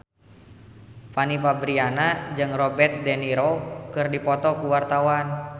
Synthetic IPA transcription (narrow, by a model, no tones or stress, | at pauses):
panifabɾianad͡ʒɨŋrɔbɛrt̪̚dɛniɾokɨrdipɔt̪ɔkuwart̪awan